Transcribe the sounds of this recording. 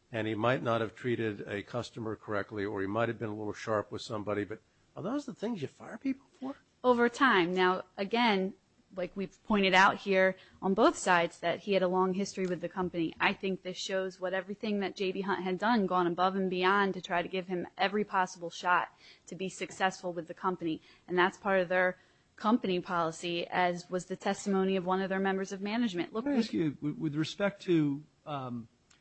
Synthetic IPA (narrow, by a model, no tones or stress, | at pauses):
ɨ̃nimaɪtⁿnət̚hɨv̥tʰɹ̥iɾɪɾɨkʰʌstəmə˞kʰə˞ɛk̚tˡliə˞imaɪt̚hɨvbɨ̃nəlɪɾl̩ˠʃɑɹpwɨð̥sʌ̃mbɑɾibʌt̚ | aðoʊzə˞ðəθɪ̃ŋzjɨfaɪə˞pʰipl̩ˠfə˞ | oʊvə˞tʰãɪ̃mnaʊʔɨɡɛ̃n | laɪkwi̥pʰɔ̃ɪ̃ɾ̃ɨɾaʊt̚hiɹ | ʔə̃nboʊθsaɪdzðɨt̚hiɨɾəlɔ̃ŋɦɪstɹ̥iwɨðɨkʰʌ̃mpɨniʔaɪθɪ̃ŋk̚ðɪsʃoʊzwʌɾɛvɹiθɪ̃ŋðɨt̚d̥ʒ̥eɪbiɦʌ̃nʔ̚ɦɨdʌ̃nɡɔ̃nəbʌv̥ɨ̃mbiɑ̃ntɨtʰɹ̥aɪɾɨɡɪv̥ɨ̃mʔɛvɹipʰɑsəbl̩ˠʃɑtʰɨbisɨksɛsfl̩ˠwɨðɨkʰʌ̃mpɨni | ɨ̃nðætspʰɑɹɾʌvðə˞ | kʰʌ̃mpɨnipʰɑlˠəsiɨzwʌzðɨtʰɛstɨmõʊ̃ñiʌvwʌ̃nʌvðə˞mɛ̃mbə˞zʌvmænɨd͡ʒmɨ̃nʔlʊksʉwwɨðɹɨspɛk̚tʰɨ